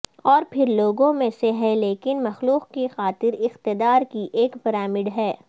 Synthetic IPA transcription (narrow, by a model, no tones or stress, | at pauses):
ɔːɾpʰɪɾloːɡõmẽseɦɛleːkɪnmɐxluːqkixaːt̪ɪɾɪxt̪ɪd̪aːɾkiʔeːkpɪɾaːmɪɖɦɛː